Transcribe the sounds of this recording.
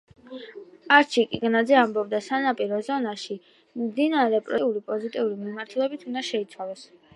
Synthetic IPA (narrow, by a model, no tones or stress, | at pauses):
aɾt͡ʃʰikʼiɡnad̪zɛambɔb̚d̪asanapʼiɾɔzɔnaʃi | md̪inaɾɛpʼɾiulipʼɔzit̪ʼiuɾimimaɾt̪ʰulɛbit̪ʰund̪aʃɛit̪sʰwalˠɔs